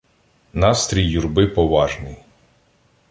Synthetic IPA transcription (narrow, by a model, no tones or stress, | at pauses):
nɑst̪ɾʲijːurbɪpɔʋɑʒnɪj